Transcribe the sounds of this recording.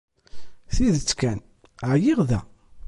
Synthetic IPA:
θiðət͡sːkæn | ʕjiʁðæ̰

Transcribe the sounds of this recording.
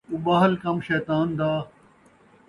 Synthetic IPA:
ubɐɦəlkɐmʃɛːt̪aːnd̪aː

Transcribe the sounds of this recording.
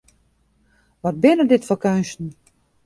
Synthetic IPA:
ʋɔt̚bɪnədɪtfɔkœɥnstn̩

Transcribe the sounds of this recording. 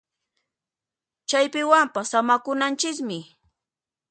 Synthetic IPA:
t͡ʃajpɪwampasamakʊnant͡ʃɪkmɪ

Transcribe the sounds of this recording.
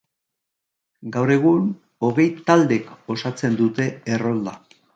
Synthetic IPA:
ɡawɾe̞ɣ̞un | o̞ɣe̞jt̪ald̪e̞ko̞sat͡se̞nd̪ut̪e̞ːro̞ld̪a

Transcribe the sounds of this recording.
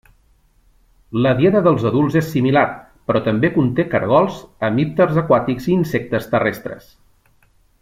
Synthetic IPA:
ləðjɛðəðəlˠzəðulˠzesːimilar | pɾɔt̪əmbekunt̪ekəɾɣ̞ɔlˠzəmip̚t̪ərzəkwat̪ikziːnsɛk̚t̪əst̪ərest̪ɾə̰s

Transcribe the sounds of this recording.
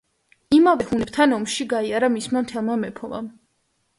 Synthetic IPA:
imavɛhunɛb̥̚t̪ʰanɔmʃiɡaiaɾamismamt̪ʰɛlˠmamɛpʰɔma̰m

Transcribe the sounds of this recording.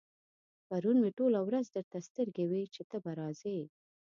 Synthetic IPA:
paɾunmeʈolawɾazd̪əɾt̪ast̪əɾɡewit͡ʃet̪əbaɾɑze

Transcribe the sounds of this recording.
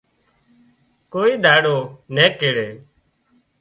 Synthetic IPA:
koːiːd̪ʱaːɽoːnɛːkeːɽeː

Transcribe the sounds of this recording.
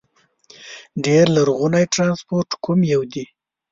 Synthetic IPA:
ɖeɾlaɾɣunajʈɾɑnspoɾʈkʰumjawd̪i

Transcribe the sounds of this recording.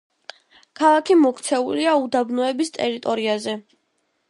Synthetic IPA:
kʰalˠakʰimɔkʰt̪sʰɛuliaud̪abnɔɛbist̪ʼɛɾit̪ʼɔɾiazɛ

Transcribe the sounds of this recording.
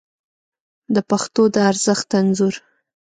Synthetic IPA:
d̪əpaxt̪od̪əaɾzəxt̪ːanzuɾ

